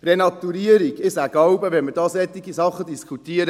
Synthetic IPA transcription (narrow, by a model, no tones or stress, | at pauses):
renɑt̪uɾiəɾiɡɪsæɡ̥laʊbəʋɛnmədɑːsɛt̪ːiɡisɑχːədiskʰut̪iəɾə